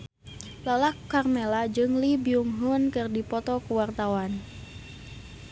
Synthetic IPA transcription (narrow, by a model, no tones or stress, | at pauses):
lalakːarmɛlad͡ʒɨŋlibiuŋɦunkɨrdipɔt̪ɔkuwart̪awan